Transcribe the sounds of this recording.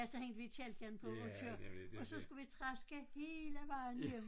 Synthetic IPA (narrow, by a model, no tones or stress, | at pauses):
æsɒ̽heŋ̰d̥əʋi̥ɛld̥̚ɡ̥ænpʰɒot͡sʰøɐ̰ɒ̽sɒ̽sɡ̥uʋit͡sʰʁasɡ̥əhe̝ːləʋɑ̈ɪnjem